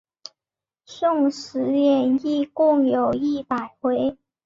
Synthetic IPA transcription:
sʊ˥˩ŋʂɻ̩˧˥jɛ˨˩ni˥˧kʊ˥˩ŋjo˨˩ʊi˥˩pa˨˩ɪxwe˧˥ɪ

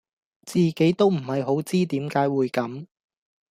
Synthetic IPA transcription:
t͡siː˨ke˨˥jt̪o˥wm̩˨˩hɐ˨jɦo˨˥wt͡siː˥t̪iː˨˥mkaː˨˥jwuː˨˧jkɐ˨˧˥m

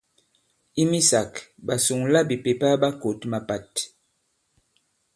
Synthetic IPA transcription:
i˦mi˦sa˨kɓa˨su˨ŋla˦bi˨pe˨pa˦ba˦ko˨tma˨pa˨t

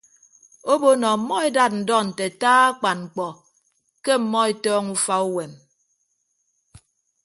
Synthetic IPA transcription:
o˦bo˦nɔ˨m̩˨˦mɔ˦e˦da˦˨t̬̚n̩˨dɔ˦n̩˨te˨taː˦a˦k͡pa˨nŋ͡m̩˨k͡pɔ˨ | ke˦m̩˨mɔ˦e˦tɔː˦ŋu˦fa˦u˦we˨m

